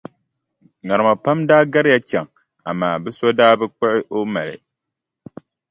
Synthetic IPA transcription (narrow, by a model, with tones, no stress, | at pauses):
ŋa˨ɾɨ˨ma˨pa˦mdaː˦ɡa˦ɾɪ˦ja˦t͡ʃɛ˨ŋ | a̰˨maː˨bɨ˦sa˦daː˦bɨ˦k͡pɛ˦ʔɪ˦ʔo˦ma˨lɪ̰˨